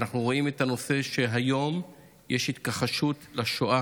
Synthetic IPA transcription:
naχnuʁo̞ime̞t̪ano̞se̞ʃe̞ɦajo̞m | jeʃhit̪kaχaʃutlaʃoʔa

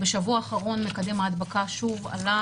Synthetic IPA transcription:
beʃavuaːχaʁo̞nme̞kad̪e̞maːd̪bakaʃuva̰la

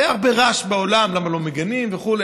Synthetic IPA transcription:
aaʁbeʁaʃbeolamlamalo̞meɡanimveχule

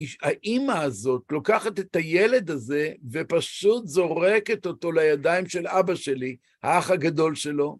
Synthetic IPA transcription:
iaʔimaːzo̞t̪lo̞kaχat̪et̪ajele̞d̪aze̞ve̞paʃut̪zo̞ʁe̞ke̞t̪o̞t̪o̞lajad̪ajmʃe̞labaʃe̞li | ha̰aχaɡado̞lʃe̞lo̞

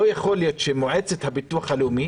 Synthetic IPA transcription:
ojaχo̞ljot̪ʃemoʕet͡set̪habituaχaleumi

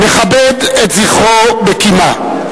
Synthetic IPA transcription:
meχabed̪etziχobekima

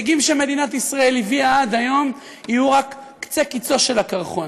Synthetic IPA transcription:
ɡimʃeme̞d̪inat̪isʁae̞liviaad̪ajo̞m | ijuʁakː | t͡sekit͡so̞ʃe̞lakaʁχo̞n

